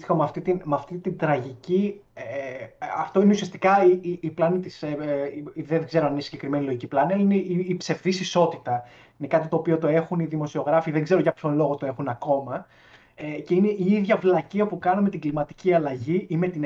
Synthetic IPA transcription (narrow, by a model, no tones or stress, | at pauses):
ixomɐft̪it̪inmɐft̪it̪ind̪ɾɐʝici | eɐft̪oineusiɐst̪i̥kɐiiːplɐnit̪iseiðeɡze̞ɾoɐninesiɲɟe̞kɾime̞nilo̞ʝiciplɐniɐlɐineiipse̞fθisiso̞t̪it̪ɐ | ine̞kɐt̪it̪o̞ːpio̞t̪o̞e̞xuniðimo̞sio̞ɣɾɐfiðeŋɡze̞ɾoʝɐpço̞lo̞ɣot̪o̞e̞xunɐko̞mɐ | ece̞ineʔiiðʝɐvlɐciɐpukɐnɐme̞t̪iɡlimɐt̪iciɐlɐʝiime̞t̪in